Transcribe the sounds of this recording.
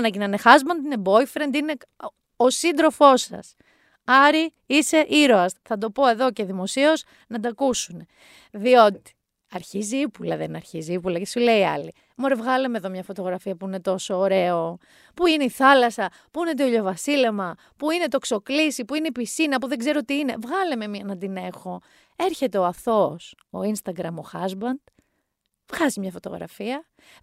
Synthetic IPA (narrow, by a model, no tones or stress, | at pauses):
nɐcinɐnexɐzmɐnd̪inebo̞jfɾend̪ine̞ | osind̪ɾo̞fo̞sɐ̰s | ɐɾi | ise̞ʔiɾoɐsθɐd̪o̞po̞e̞ðo̞ceðimo̞sio̞z | nɐd̪ɐkusune | ðio̞t̪i̥ | ɐɾçiziipulɐðenɐɾçiziipulɐcesule̞iɐ̰li | moɾe̞vɣɐleme̞ðo̞mɲɐfo̞t̪o̞ɣɾɐfiɐpuine̞t̪o̞so̞ːɾe̞o̞ | puineiθɐlɐsɐ | puinet̪̬eioʎo̞vɐsile̞mɐ | puine̞t̪o̞kso̞klisipuineipisinɐpuðe̞ɡze̞ɾot̪iine̞vɣɐleme̞miɐnɐd̪ine̞xo̞ | e̞ɾçe̞t̪e̞oɐfθo̞s | o̞̰inst̪ɐɡɾɐmoxɐzbɐnd̪̥ | vɣɐzimɲɐfo̞t̪o̞̰ɣɾɐ̰fiɐ